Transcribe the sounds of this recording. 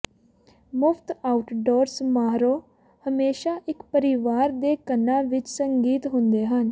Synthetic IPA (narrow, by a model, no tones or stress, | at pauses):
mʊpʰt̪aːʊʈɖoːɾsmaːɾoː | həmeːʃaːʔɪkpəɾɪʋaːɾd̪eːkənːãːʋɪt͡ʃsəŋɡiːt̪ɦʊnd̪eːɦən